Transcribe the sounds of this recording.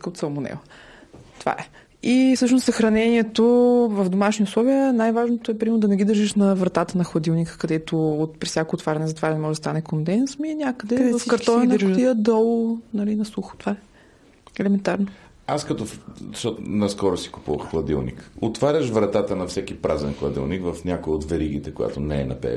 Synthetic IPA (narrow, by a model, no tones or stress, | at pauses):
kot̪sɐlˠmonɛ̰v | t̪ova̰ʔɛ | isɤʃnossɐxɾɐnɛniɛt̪ovɐvd̪omaʃniʊslˠɔviənajvaʒnot̪oɛpɾʲimɛɾnod̪ɐnɛɡid̪əɾʒiʃnɐvɾɐt̪at̪ənɐxlˠɐd̪ilˠnikkɐd̪ɛt̪oːt̪pɾʲisʲjakoːt̪vaɾʲɐnɛzɐt̪ovaɾnɛmɔʒd̪ɐst̪anɛkond̪ɛnsminʲakəd̪ɛvɐfkɐɾɔnɐnt̪iəd̪ɔlˠnɐlinɐsuxʊ̥t̪ova | ɛlɛmɛnt̪aɾno | askɐt̪ɔɐʃt̪ɔnɐskɔɾosi̥kʊ̥puvə̰xxlˠɐd̪ḭlˠnḭkot̪vaɾʲəʃvɾɐt̪at̪ənɐfsɛkipɾʔazɛnxlˠɐd̪ḭlˠnikvɐfnʲjakoiot̪vɛɾiɡ̟it̪ɛkoja̰t̪onɛɛ̰nɐ̰pɛ̰